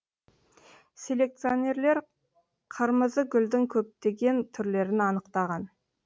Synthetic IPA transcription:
sʲe̞lʲe̞k̚t̪sɨio̞nʲe̞ɾle̞ɾ | qʰəɾməzəɡʲʏld̪ɪŋkʲʰɵp̚t̪e̞ɡʲe̞nt̪ʰʏɾle̞ɾɪnɑnəqt̪ɑʁɑn

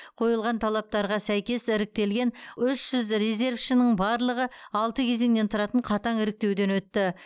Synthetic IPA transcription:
qʰo̞jəlˠʁɑnt̪ʰɑlˠɑp̚t̪ɑɾʁɑsæjkʲe̞sɪɾɪk̚t̪e̞lɡʲe̞nʏʃʒ̥ʏzɾezʲe̞ɾfʃənəɴbɑɾlˠəʁəɑlˠt̪əkʲʰe̞ze̞ŋnet̪ʰʊɾɑt̪əɴqʰɑt̪ɑŋɪɾɪk̚t̪e̞wd̪e̞nwɵt̪ːɪ

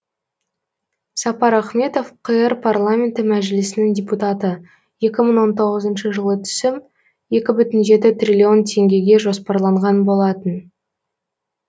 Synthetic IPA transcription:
sɑpɑɾɑχme̞t̪o̞fqʰəjəɾpʰarlˠamʲe̞nt̪ɪmæʒɪlɪsɪnɪŋd̪ʲeput̪at̪ə | je̞kʲɪməɴwo̞nt̪ʰo̞ʁəzənʃəʒəlˠət̪ʰʏ̥sɪm | je̞kʲɪbʏt̪ɪnʒe̞t̪ɪt̪rʲilʲio̞nt̪ʲʰe̞ŋɡʲe̞ɡʲe̞ʒo̞spɑɾlˠɑɴʁɑnbo̞lˠɑt̪ən

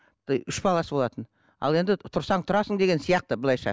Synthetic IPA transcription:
ʏʃbɑlˠɑsəbo̞lˠɑt̪ən | ɑ̰lˠe̞nd̪ɪt̪ʰʊɾsɑɴt̪ʰʊɾɑsəɴd̪e̞ɡʲe̞nsijɑq̚t̪əblˠɑjʃɑ̰

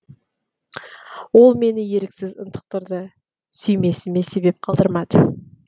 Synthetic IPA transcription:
wo̞lˠme̞nɪje̞ɾɪksɪzə̰nt̪ʰə̥q̚t̪əɾd̪ə | sʏjme̞sɪme̞se̞be̞p̚qʰɑlˠd̪əɾmɑd̪ə

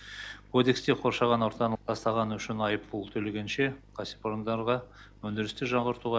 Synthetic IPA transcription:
kʰo̞d̪e̞kst̪e̞qʰo̞ɾʃɑʁɑnoɾt̪ɑnt̪ʰɑst̪ɑʁɑnəʏʃɪnɑjəpbʊlˠt̪ʰɵleɡʲenʃe̞qʰɑsipoɾnd̪ɑɾʁɑ | wɵnd̪ɪɾɪst̪ɪʒɑɴʁəɾt̪uʁɑ

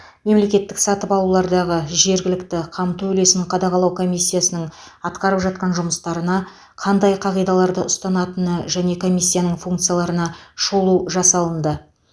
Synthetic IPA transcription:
me̞mle̞kʲe̞t̪ːɪksɑt̪əpɑlˠulˠɑɾd̪ɑʁəʒe̞ɾɡʲɪlɪkt̪ɪqʰɑmt̪uɵɵle̞sɪɴqʰɑd̪ɑqɑlˠɑwkʰo̞mʲijsːijasənəɴ | ɑt̪qɑɾəpʒɑt̪̚qɑnʒʊməst̪ɑɾənɑ | qʰɑnd̪ɑjqʰɑʁijd̪ɑlˠɑɾd̪əʔʊst̪ɑnɑt̪ənəʒæne̞kʰo̞mʲijsːijanəɴfuŋkt̪sɨjalˠɑɾənɑʃolˠuʒɑsɑlˠənd̪ə

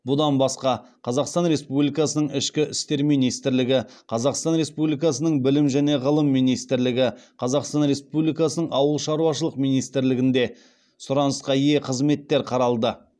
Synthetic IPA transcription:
bʊd̪ɑnbɑsqɑqʰɑzɑqst̪ɑnɾe̞spublijkɑsənəɴɪʃkʲɪʔʏ̰st̪e̞ɾmijnijst̪ɪɾlɪɡʲɪqʰɑzɑqst̪ɑnɾe̞spublijkɑsənəɴbɪlɪmʒæne̞ʁəlˠəmːijnijst̪ɪɾlɪɡʲɪqʰɑzɑqst̪ɑnɾe̞spublijkɑsənəɴɑwəlˠʃɑɾuwɑʃəlˠəqmijnijst̪ɾlɪɡʲɪnd̪e̞ | sʊɾɑnəsqɑje̞qʰəzme̞t̪ːe̞ɾqʰɑɾɑlˠd̪ə

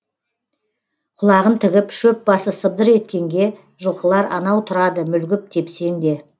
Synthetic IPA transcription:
qʰʊlˠɑʁənt̪ʰɪɡʲɪpʃɵp̚bɑsəsəb̚d̪əɾe̞t̪kʲe̞ŋɡʲe̞ | ʒəlˠqəlˠɑɾɑ̰nɑwt̪ʰʊɾɑd̪əmʏlɡʲɪp̚t̪ʰe̞pse̞nd̪e̞

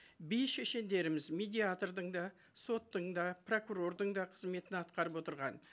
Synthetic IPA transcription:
bijʃeʃe̞nd̪e̞ɾɪmɪzmed̪ʲiat̪rd̪əɴd̪ɑ | so̞t̪ːəɴd̪ɑpro̞kuro̞rd̪əɴd̪ɑqʰəzme̞t̪ɪnɑt̪qɑɾəpwo̞t̪əɾʁɑ̰n

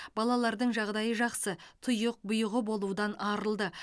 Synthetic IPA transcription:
b̥ɑlˠɑlˠɑɾd̪əɴʒɑʁd̪ɑjəʒɑqsət̪ʰʊjəq̚bʊjəʁəbo̞lˠud̪ɑnɑɾəlˠd̪ə

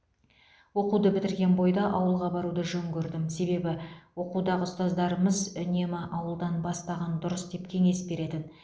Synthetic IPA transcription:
wo̞qud̪əbɪt̪ɪɾɡʲe̞nbo̞jd̪ɑʔɑwəlˠʁɑbɑɾud̪əʒɵŋɡʲɵɾd̪ɪmse̞be̞bɪwo̞qud̪ɑʁəʊst̪ɑzd̪ɑɾəməzʏne̞mɪʔɑwəlˠd̪ɑnbɑst̪ɑʁɑnd̪ʊɾəsd̪e̞pkʲʰe̞ŋe̞sbe̞ɾe̞t̪ɪn

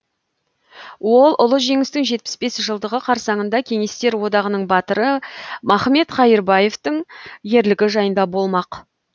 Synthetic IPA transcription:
wo̞lˠʔʊ̰lˠəʒe̞ŋɪst̪ɪŋʒe̞t̪̚pɪ̥sbe̞sʒəlˠd̪əʁəqʰɑɾsɑɴənd̪ɑkʲʰe̞ŋe̞st̪e̞ɾwo̞d̪ɑʁənəɴbɑt̪əɾəmɑχme̞t̪χɑjəɾbɑje̞ft̪əɴje̞ɾlɪɡʲɪʒɑjənd̪ɑbo̞lˠmɑq

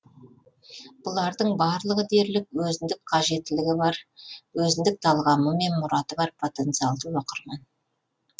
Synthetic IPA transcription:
b̥ʊlˠɑɾd̪əɴbɑɾlˠəʁəd̪e̞ɾlɪk̚wɵzɪnd̪ɪk̚qʰɑʒe̞t̪ːɪlɪɡʲɪbɑɾwɵzɪnd̪ɪk̚t̪ʰɑlˠʁɑməme̞nmʊɾɑt̪əbɑɾpʰo̞t̪e̞nt̪sɨjɑlˠd̪əwoqəɾmɑn

